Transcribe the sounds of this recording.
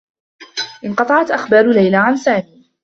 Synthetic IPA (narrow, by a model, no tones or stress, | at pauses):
ʔɪnqɑt̪ˤɑʕɑt̪ʔaxbɑːɾʊlajlaʕansaːmiː